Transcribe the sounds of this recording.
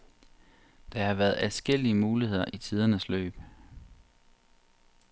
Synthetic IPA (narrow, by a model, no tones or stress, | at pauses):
d̥ɑ̈hɑ̈ʋæːɐð̞ˠæsɡ̥el̰iəmuːlihe̝ð̞̰ˠɐ̰ʔit͡sʰið̞ˠɐnəslø̰ːb̥